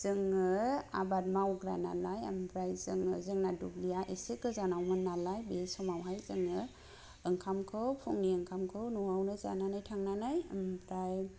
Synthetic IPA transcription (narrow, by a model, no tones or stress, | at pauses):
z̥ɯŋɯa̰bat̚mawɡɾa̰na̰laja̰mbɾajzɯŋɯ̰zɯŋnadublijaʔesikɯzanawmɯnːalajbesɔmawɦajzɯŋɯ | ɯŋkʰamkʰɯwpʰuŋniɯŋkʰamkʰɯwnuwawnɯjza̰nanajtʰaŋnanajamɾaj